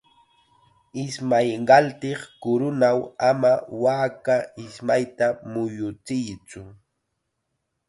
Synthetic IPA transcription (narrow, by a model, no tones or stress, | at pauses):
ɪsmajɢɑlt̪ɪχkʊɾʊnawamawaːkaɪsmajt̪amʊjʊt͡sɪjt͡sʊ